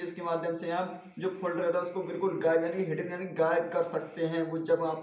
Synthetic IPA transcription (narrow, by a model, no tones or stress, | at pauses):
ɪskemaːd̪ʱjəmseaːp | d͡ʒoːpʰʊlɖəɾɦɛɾaʊskobɪlkʊlɡaːɪbjaːniɦɪʈə̃njaːniɡaːɪb̚kɐɾsɐk̚t̪eɦɛ̃ʋod͡ʒɐbaːp